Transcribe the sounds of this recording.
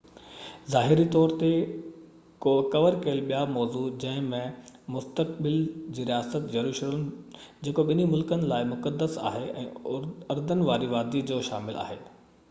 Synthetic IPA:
zaːɦɪɾit̪ɔːɾt̪e | koːkɐʋəɾkɐəlɓijamɔːzud͡ʑɐ̃ɦɪ̃mẽmʊst̪ək̚ɓɪld͡ʑiːɾijaːsət̪d͡ʑɐɾuːʃələmd͡ʑeːkoɓɪnimʊlkənɪ̆laːɪmʊkəd̪ːəsa̰ːɦeʔɛ̰̃ːɐɾd̪ənɪʋaːɾiʋaːd̪id͡ʑoːʃa̰ːmɪla̰ːɦeː

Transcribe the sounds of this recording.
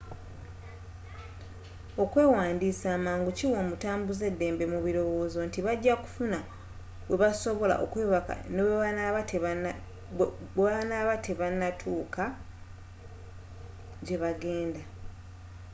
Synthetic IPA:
o̞kwe̞ːwaːndiːsaːmaːŋɡuciwo̞ːmutaːmbuze̞dːe̞ːmbe̞muβiɾo̞wo̞ːzo̞ntiβaɟːaku̥funa | we̞βaso̞βo̞la̰ʔo̰kweːβaka̰neweβanaβate | eanaβatʰeβanːatʰuːkʰa | ɟe̞βaɡe̞ːnda

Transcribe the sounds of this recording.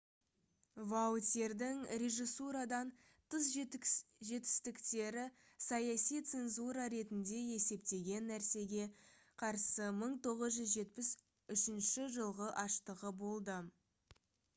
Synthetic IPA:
vat̪ʲeɾd̪ɪŋɾʲe̞ʒisuɾad̪ɑn | t̪ʰəs̬ʒʒe̞t̪ɪ̥st̪ɪkt̪e̞ɾɪ | sɑjɑsijt̪se̞nzuɾɑɾe̞t̪ɪnd̪e̞e̞se̞pt̪e̞ɡʲe̞nːæɾse̞ɡʲe̞ | qʰɑɾsəməɴt̪ʰo̞ʁəzʒʏzʒe̞t̪̚pɪs | ʏʃɪnʃɪʒəlˠʁəʔɑʃt̪əʁəbo̞lˠd̪ə

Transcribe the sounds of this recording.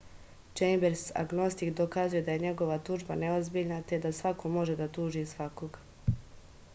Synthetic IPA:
t͡ʃejmbeɾsa̰ɡno̞st̪ikd̪okaːzuje̞d̪aje̞ɲe̞ɡo̞ʋat̪uːʒbane̞ozbiːʎnat̪e̞d̪asʋako̞mo̞ʒe̞d̪at̪uːʒisʋakoɡ

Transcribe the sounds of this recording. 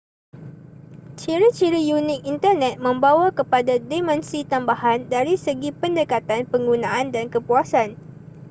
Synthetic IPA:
t͡ʃiɾit͡ʃiɾijunɪk̚int̪ərnɛ̃t̪̚mə̃mbawakəpadademɛ̃nsit̪ambahandaɾisəɡipəndəkat̪anpəŋɡunãandankəpuasan

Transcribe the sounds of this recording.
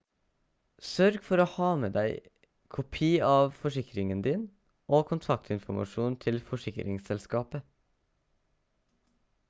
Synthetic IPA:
sœɾɡfɔɾoːhɑːməd̪æɪ | kʰʊpʰiːɑːʋfɔʂɪkɾɪŋənd̪iːn | ʔoːkʰʊnt̪ʰɑkt̪ʰɪnfʊmɑ̰ʃuːnt̪ʰɪlfɔʂɪkɾʔɪ̰ŋsɛlskɑːpə

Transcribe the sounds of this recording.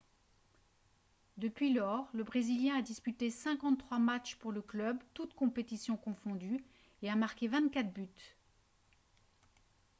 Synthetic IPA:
d̪əpɥilɔʁləbʁeziljɛ̃ad̪ispyt̪esɛ̃kɑ̃χwamat͡ʃpuʁləklœbt̪ut̪kɔ̃pet̪isjɔ̃kɔ̃fɔ̃d̪y | eamaʁkʲevɛ̃t̪̚kʲat̪byt̪

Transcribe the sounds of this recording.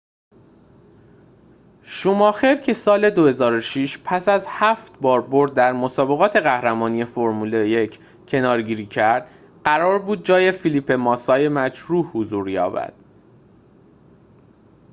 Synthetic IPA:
ʃuːmɒːxeɾcʰe̞sɒːle̞d̪ohe̞zɒːɾoʃiʃpʰæsæzhæft̪bɒːɾboɾd̪̚ːæɾmosɒːbe̞ɣɒːt̪ʰe̞ɣæhɾæmɒːnije̞foɾmuːlejecʰ | cʰe̞nɒːɾɟiːɾiːcʰæɾd̪̥ | ɢæɾɒːɾbuːd̪̚d͡ʒɒːje̞filipʰe̞mɒːsɒːje̞mæd͡ʒɾuːhhuzuːɾjɒ̰ːbæ̰d̪̥

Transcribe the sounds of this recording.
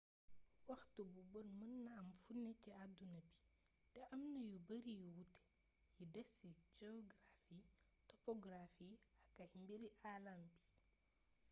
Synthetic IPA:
wɐxtububɔnmɐnːɐːmfunːɛciadunɐbi̥ | tɛʔɐmnɐjubɐɾijuwutɛ̥ | judɛsid͡ʒɛɔɡrafitɔpɔɡrafiɐkːɐcmbeɾiʔalambi̥

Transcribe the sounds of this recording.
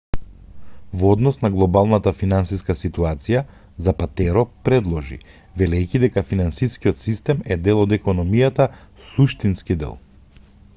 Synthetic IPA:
vɔd̪nɔsnaɡlˠɔbalˠnat̪afinansiskasit̪uat̪sija | zapat̪ɛɾɔpɾɛd̪lˠɔʒḭ | vɛlɛjcid̪ɛkafinansiskiɔt̪sist̪ɛmɛd̪ɛlˠɔd̪ɛkɔnɔmijat̪asuʃt̪inskid̪ɛ̰lˠ

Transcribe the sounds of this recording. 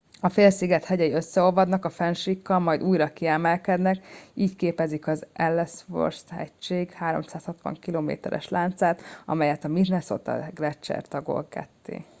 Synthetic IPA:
ɒfeːlsiɡɛt̪hɛɟɛjiø̞sːɛo̞lvɒd̪nɒkɒfɛnʃikːɒlmɒjd̪uːjɾɒkiɛmɛlkɛd̪nɛkiːckeːpɛzikɒzʔɛlːɛsfo̰rshɛ̰ct͡ʃeːɡhaːɾo̞̰msaːshɒt̪ʋɒ̰ŋkiloːmḛːt̪ɛ̰ɾɛ̰ʃlaːnt̪saːt̪ɒ̰mɛjɛt̪ɒmid̪nɛsot̪ɒ̰ɡrɛt͡ʃːɛ̰rt̪ɒɡo̞̰lkɛ̰t̪ːḛː

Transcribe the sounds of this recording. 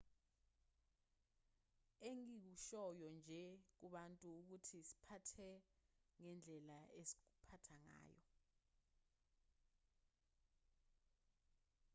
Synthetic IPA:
eŋik̬uʃɔjɔnd͡ʒʱɛk̬uɓantʼuːk̬utʰisi̥pʰatʰɛŋɛnd͡ɮʱɛlaesi̥k̬upʰatʰaŋa̰ːjɔ̰

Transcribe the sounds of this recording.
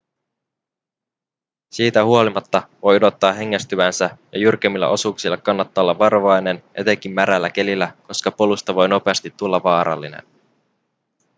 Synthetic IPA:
siːt̪æhuo̞limɑt̪ːɑʋo̞jodo̞t̪ːɑːɦe̞ŋːæst̪yʋænsæjɑjurk̟emːilːɑ̰ʔo̞suksilːɑkɑnːɑt̪ːɑo̞lːɑʋːɑroʋɑjne̞njʔet̪e̞k̟imːæɾælːæk̟e̞lilːæko̞skɑpo̞lust̪ɑʋo̞jno̞pe̞ɑst̪it̪ːulːɑʋɑːɾɑ̰lːinḛn

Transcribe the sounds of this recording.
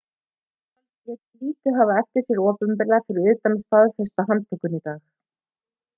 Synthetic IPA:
anjɛt̪liːt̪ʏɦavaɛfc̪ɪsjɛɾɔːpʏmpɪlɛfɪɾɪɾʏːt̪anst̪aðfœst̪aɦant̪ʰʏkːʏnit̪aːx

